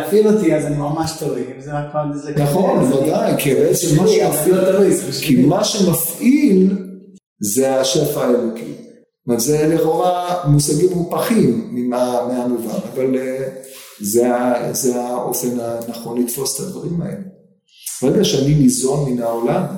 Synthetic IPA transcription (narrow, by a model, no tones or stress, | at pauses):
afilot̪iazanimamaʃt̪ovivzemakaizenaχo̞nvad̪ajkibeet͡semːaʃemafilt̪ovikʰimaʃemafʔil | zeaʃe̞faːelokʰḭ | matzeleʁoamusaɡimʁupaχimːimameamuva̰navale | zeazeaʔo̞̰fe̞nanaχo̞nlit̪fo̞se̥t̪ad̪vaʁimaḛle | ʁeɡaʃeanimizo̞nminaolam